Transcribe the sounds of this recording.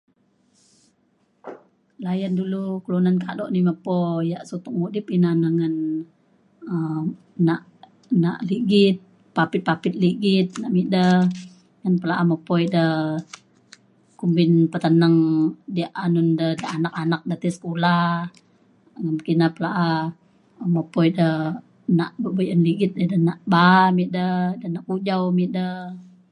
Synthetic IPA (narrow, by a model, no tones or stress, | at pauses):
lajandulukəlunankadɔʔniməpɔjaʔsut̪ɔk̚mudɪp̚inanaŋan | ə | naʔ | naʔliɡit̪̚ | papɪt̪̚papɪt̪̚liɡit̪̚naʔmidə | ŋanpəlaʔaməpɔidə | kumbɪnpət̪ənaŋdiaʔanundədəʔanak̚anak̚dət̪isə̥kulah | ŋəmkinapəlaʔa | məpɔjdə | naʔbəbəjʔənliɡɪt̪̚dədənaʔbamiʔ̪dədənaʔkud͡ʒawmiʔ̚də